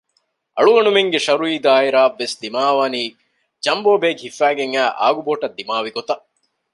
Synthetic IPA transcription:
ɐ̰ɭuʋɐnumeŋɡeʃɐɾuiːd̪aːiɾaːʋːesd̪imaːʋaːniː | d͡ʒɐmboːbeːɡɦifːæːɡeŋæːʔa̰ːɡuboːʈɐd̪ːimaːʋiɡot̪ɐ

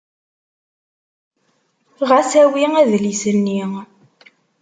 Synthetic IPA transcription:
ʁæsæwiŋæðlisənːi

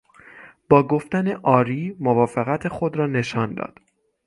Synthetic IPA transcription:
b̥ɒːɡoft̪æne̞ʔɒːɾiːmovɒːfeɣæt̪ʰe̞xo̞d̪ɾɒːne̞ʃɒːnd̪ɒ̰ːd̪̥

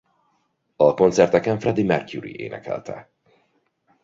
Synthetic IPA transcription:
ɒko̞nt̪sɛrt̪ɛkɛɱfrɛd̪imɛrkjuɾḭʔeːnɛ̰kʰɛ̰lt̪ʰɛ̰

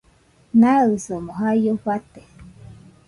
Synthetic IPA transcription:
naɨsomoɦajoɸat̪e

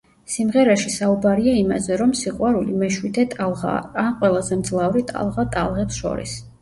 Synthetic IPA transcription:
simʁɛɾaʃisaubaɾiaima̰zɛɾɔmsiqʼwaɾulimɛʃwid̪ɛt̪ʼalˠʁa̰aqʼwɛlˠazɛmd̪zlˠavɾit̪ʼa̰lˠʁat̪ʼa̰lˠʁɛpsʃɔ̰ɾḭs

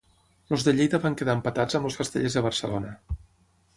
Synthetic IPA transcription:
lozðəʎejðəβaŋkəðaəmpət̪ad͡zəmloskəst̪ə̰ʎezðəβ̞ərsəlonə

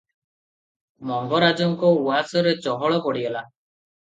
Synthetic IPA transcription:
mɔŋɡɔɾad͡ʒɔŋkɔuasɔɾet͡ʃɔɦɔɭɔpɔɽibela

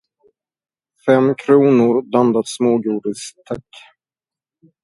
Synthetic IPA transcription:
fɛmːkʰɾuːnʊɾd̪and̪at̪smoːɡuːɖɪst̪ʰakː

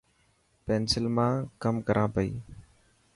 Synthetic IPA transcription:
peːnsɪlmãːkəmkəɾʔãːpəḭː

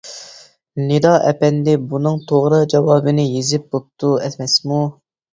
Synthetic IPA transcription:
ned̪ɑʔɛpɛnd̪ɪbunɨŋt̪ʰoʁɾɨd͡ʒɑwɑːbɨnɪjezɪp̚bop̚t̪ʰːuɛt̪ʰmɛsmu

